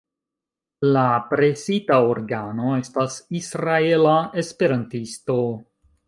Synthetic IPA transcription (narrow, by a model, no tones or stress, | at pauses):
lapɾe̞sitaoɾɡano̞e̞stasisɾae̞lae̞spe̞ɾantisto̞